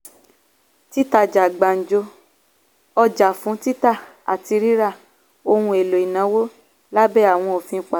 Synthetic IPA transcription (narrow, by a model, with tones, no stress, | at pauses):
ti˦ta˧˨d͡ʒa˨ɡ͡ba˨n̩˨d͡ʒo˧ | ɔ˧d͡ʒa˨fũ˨˦ti˦ta˦˨ | a˨ti˧ɾi˦ɾa˦˨ | o˧hũ˧e˨lo˨i˨nã˨˦wo˦ | la˦bɛ˦a˦˨w̃ɔ̃˧o˨fĩ˧˦˨k͡pa˨